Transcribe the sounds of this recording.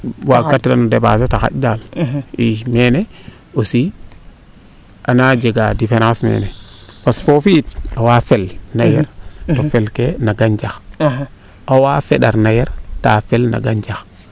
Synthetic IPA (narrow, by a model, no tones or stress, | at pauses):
wakatːɾanudeba̰s̬ataxa̰td͡ʒalimene | osi | ʔanad͡ʒeɡadifenãsmḛnepasfofit̚awafelnajeɾtofelkenaɡand͡ʒax | awafeɗaɾnajeɾtafelna̰ɡand͡ʒax